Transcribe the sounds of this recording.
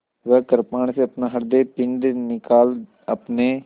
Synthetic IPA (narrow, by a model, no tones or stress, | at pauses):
ʋɛːkəɾpaːɳ̃seɐpnaɦɐɾd̪eːpɪɳɖnɪkaːl | ɐpne